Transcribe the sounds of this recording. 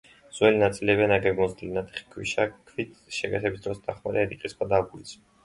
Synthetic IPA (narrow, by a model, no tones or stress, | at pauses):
z̥wɛlinat̪sʼiliɛbianaɡɛɡmɔzd̪ilinat̪ʰɛ̥χi̥kʰwiʃakʰvit̪ʰʃɛɡɛt̪ʰɛbisd̪ɾɔsd̪ʰaχmaɾɛɛɾiqʼiskʰwad̪aɡulisʰ